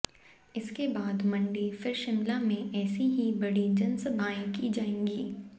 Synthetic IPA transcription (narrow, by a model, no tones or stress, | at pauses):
ɪskebaːd̪mɐ̃ɳɖifɪɾʃɪmlamẽʔɛːsiɦibɐɽid͡ʒɐnsəbʱaːẽkid͡ʒaːẽːɡiː